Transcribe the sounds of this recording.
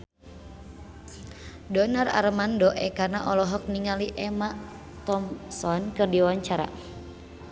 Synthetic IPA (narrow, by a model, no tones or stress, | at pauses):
dɔnara̰ɾmandɔʔɛkanaʔɔlɔɦɔk̚niŋaliʔɛma | t̪ɔmsɔnkɨrdiwaɲt͡ʃaɾa̰